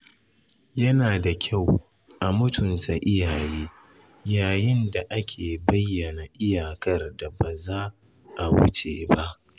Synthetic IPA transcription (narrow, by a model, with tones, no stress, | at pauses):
jɐ˦naː˨da˨kʲʰa˦˨w | ʔa˨mʊ˦tʰʊ˨nta˨ʔɪ˦jaː˨jeː˦ | jaː˨jɪ˦nda˨ʔa˦kʲʰeː˨bɐ˦jːɐ˨na˨ʔɪ˦jaː˨kɐ˦rda˨ba˨zaː˦ | ʔa˨wʊ̰˦t͡ʃḛː˨ba˦ʔ